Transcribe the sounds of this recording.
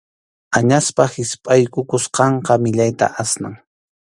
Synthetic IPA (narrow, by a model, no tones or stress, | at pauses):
aɲaspahɪspʼajkʊkʊsqɑɴqɑmɪʎajt̪a̰ʔasnaŋ